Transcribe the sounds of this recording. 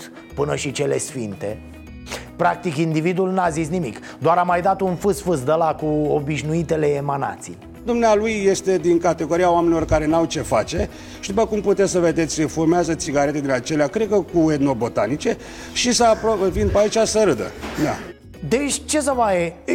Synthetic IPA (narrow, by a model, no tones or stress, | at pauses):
pɨnəʃit͡ʃe̞le̞sfint̪e̞̰ | pɾak̚t̪ikind̪ivid̪ulnazis̬nimik | d̪oaɾamajd̪at̪unfɨsfɨs̬d̪əlakuobiʃnuit̪e̞le̞ːmana̰t̪sḭ | d̪umnealujːe̞st̪e̞d̪iŋkat̪eɡo̞ɾiaoame̞nilo̞rkaɾe̞nawt͡ʃe̞fat͡ʃe̞ | ʃt̪iupəkumput̪esʲsəve̞d̪et̪sʲʃefuɾmeazət̪siɡaɾe̞t̪ed̪inat͡ʃe̞leakɾekəkued̪no̞bo̞t̪anit͡ʃe̞ | ʃisəapɾovinpait͡ʃasəɾɨd̪ə̰d̪a | d̪et͡ʃʲt͡ʃe̞s̬əvaje